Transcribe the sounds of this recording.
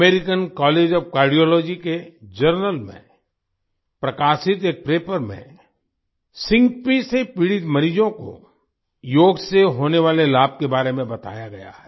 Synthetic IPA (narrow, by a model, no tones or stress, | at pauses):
eːɾɪkənkɔːleːd͡ʒɔːfkaːɾɖijɔːlɔːd͡ʒiked͡ʒəɾnəlmḛ̃ | pɾɐkaːʃɪt̪eːk̚pɾeːpəɾmḛ̃ | sɪ̃ŋɡpisepiːɽɪt̪mɐɾiːd͡ʒõko̰ | joːɡseɦoːneʋaːlelaːb̚kebaːɾemẽbɐt̪a̰ːjaɡɐja̰ɦɛ